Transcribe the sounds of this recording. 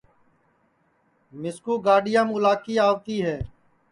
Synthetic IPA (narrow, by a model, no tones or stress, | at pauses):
mɪskuːɡaːɖɪjãːmʊlaːkiːaːʋt̪iːɦɛː